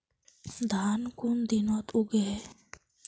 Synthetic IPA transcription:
d̪ʱankʊnd̪inɔt̪uɡe

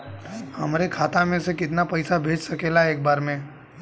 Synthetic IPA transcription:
ɦəmɾekʰaːt̪amẽsekɪt̪napɐɪsabʱeːd͡ʒsəkeːlaeːk̚baːɾmẽ

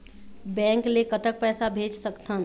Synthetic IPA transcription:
bɛ̃ːŋklekət̪ək̚pɛːsabʱeːd͡ʒsəkt̪ʰə̃n

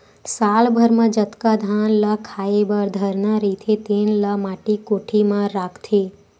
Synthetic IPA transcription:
salbʱəɾmãd͡ʒət̪kad̪ʱanləkʰaebəɾd̪ʱəɾnaɾit̪ʰet̪enləmaʈekoʈʰimãɾakʰt̪ʰe

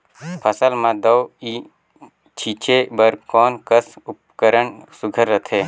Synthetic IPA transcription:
pʰəsəlmãd̪əwi | t͡ʃʰit͡ʃʰebəɾkɔːnkəsup̚kəɾəɳsʊɡʱəɾːət̪ʰeː

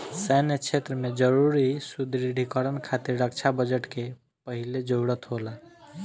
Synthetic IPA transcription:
sɛnet͡ʃʰet̪ɾəmed͡ʒəɾuɾisud̪ɾiɖʱikəɾənkʰat̪iɾːək̚t͡ʃʰabəd͡ʒeʈke | pəɦiled͡ʒowɽət̪ɦola

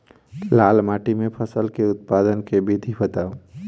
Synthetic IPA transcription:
lalmaʈimẽpʰəsəlkeʊt̪̚pad̪ənkebid̪ʱibət̪aːu

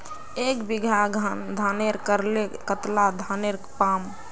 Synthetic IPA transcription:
ekbiɡʱaɡʱənd̪ʱaneɾkəɾlekət̪lad̪ʱaneɾpam

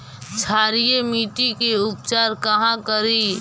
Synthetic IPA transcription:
t͡ʃʰaːɾijemiːʈikeʊp̚t͡ʃaːɾkəɦãkəɾi

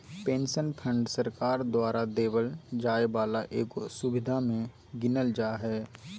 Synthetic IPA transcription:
pẽːnʃənpʰə̃ɳɖsəɾkaːɾd̪waːɾʔad̪eːbəld͡ʒaːebaːlaʔeːkosʊbɪd̪ʱamẽ | ɡɪnəld͡ʒaːɦɛː

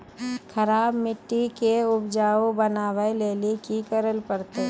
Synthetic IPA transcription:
kʰəɾaːbmɪʈːikeʊbd͡ʒaːobənaːʋəeleːlikikəɾəlpəɾt̪e

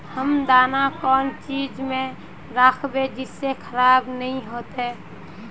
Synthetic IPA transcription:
həmd̪aːnakɔːnt͡ʃiːd͡ʒmẽ | ɾaːkʰbed͡ʒɪsːekʰəɾaːbnəĩɦoːt̪ɦeː

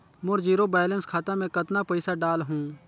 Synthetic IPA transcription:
mʊɾziːɾoːbaːjlənskʰaːt̪ãːmẽːkət̪naːpəɪsaːɖaːlɦũː

